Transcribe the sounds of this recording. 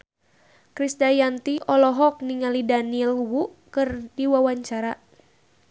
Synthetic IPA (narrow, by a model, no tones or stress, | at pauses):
kɾisdajant̪iɔlɔɦɔk̚niŋalidaniɛlwuʔkɨrdiwawaɲt͡ʃaɾa